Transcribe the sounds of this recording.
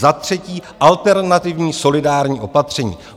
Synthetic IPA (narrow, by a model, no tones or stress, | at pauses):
zat̪r̝̥ɛciːʔalt̪ɛɾnat̪ɪvɲiːso̞lɪdaːɾɲiːʔo̞pat̪r̝̥ɛɲḭː